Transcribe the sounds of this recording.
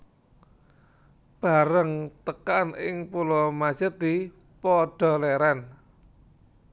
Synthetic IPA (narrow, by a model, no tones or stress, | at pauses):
b̥a̤ɾəŋt̪əkanɪ̰ŋpulɔmḁʒ̥ə̤d̪i̤ | pɔɖ̥ɔ̤leɾan